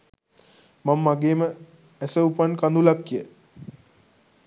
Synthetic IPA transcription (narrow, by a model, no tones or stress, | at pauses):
mamːaɡeːmə | æsəupankand̪ulakːjə